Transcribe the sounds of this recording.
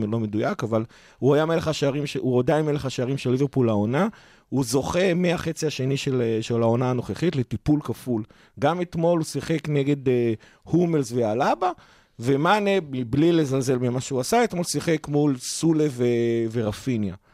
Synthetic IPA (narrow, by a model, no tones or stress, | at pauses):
lo̞me̞dujakaval | uajameleχaʃaʁimʃeuod̪ainmeleχaʃaʁimʃelːivepulaona | uzo̞χe̞meaχe̞t͡siaʃe̞niʃelʃelao̞naːno̞χeχit̪le̞tipulkaful | ɡamet̪mo̞lusiχekneɡe̞de | humelzvealaba | ve̞manemiblile̞zalze̞lmimaʃeuasaet̪mo̞lsiχekmulsuleveve̞ʁafinja̰